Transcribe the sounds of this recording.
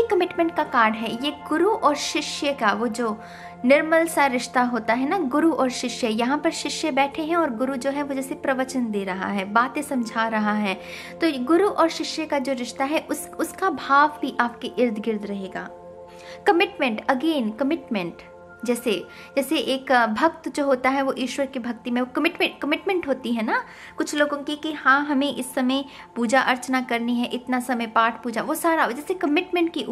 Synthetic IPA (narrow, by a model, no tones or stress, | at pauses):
jekɐmɪʈmɛ̃ɳʈ̚kakaːɾɖɦɛjeɡʊɾuʔɔːɾʃɪʃjəkaʋoːd͡ʒoː | nɪɾməlsaɾɪʃt̪aɦoːt̪aɦɛnaɡʊɾuʔɔːɾʃɪʃjəjɐɦãpɐɾʃɪʃjəbɛːʈʰeɦɛ̃ɔːɾɡʊɾud͡ʒoːɦɛ̃ʋod͡ʒɛːsepɾɐʋət͡ʃənd̪eːɾɐɦa̰ɦɛbaːt̪ẽsɐ̃md͡ʒʱaːɾɐɦaɦɛː | t̪oːɡʊɾuʔɔːɾʃɪʃjəkad͡ʒoːɾɪʃt̪aɦɛʔʊs | ʊskabʱaːʋbʱiʔaːp̚keʔɪɾd̪ʱɡɪɾd̪ɾɐɦeːɡa̰ː | kɐmɪʈmɛ̃ɳʈɐɡeːnkɐmɪʈmɛ̃ɳʈ | d͡ʒɛːse | d͡ʒɛːseʔeːkbʱɐk̚t̪d͡ʒoːɦoːt̪aɦɛʋoʔiːʃwəɾkebʱɐkt̪imẽʋokɐmɪʈmɛ̃kɐmɪʈmɛ̃ɳʈɦoːt̪iɦɛna | kʊt͡ʃʰloːɡõkikihãːɦɐmẽʔɪsːɐmə̃j | puːd͡ʒaʔɐɾt͡ʃnakɐɾniɦɛʔɪt̪nasɐməjpaːʈʰpuːd͡ʒaʋosaːɾad͡ʒɛːsekɐmɪʈmɛ̃ɳʈ̚kiʔ